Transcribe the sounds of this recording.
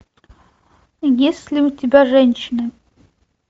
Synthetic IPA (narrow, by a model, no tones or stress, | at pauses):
jesʲlʲɪutʲɪbʲaʐɛnʲɕɪnɨ